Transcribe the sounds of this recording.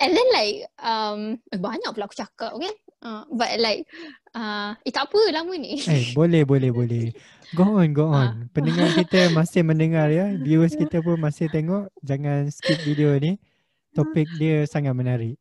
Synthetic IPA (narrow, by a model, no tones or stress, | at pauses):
ʔɛ̃ndɛnlajk̚ʌmabaɲak̚pulaʔaku̥t͡ʃakap̚ɡɛnʔabat̚laɪk̚ | ait̪apəlaməniebolɛhbolɛhbolɛh | ɡoʔɔnɡoʔɔnpəndəŋarkit̪əmasɪhmə̃ndəŋarjabjuəskit̪əp̬ʊnmasɪht̪eŋɔʔd͡ʒaŋanskit̪̚videoni | t̪ɔpɪk̚diəsaŋat̪̚mənaɾɪʔ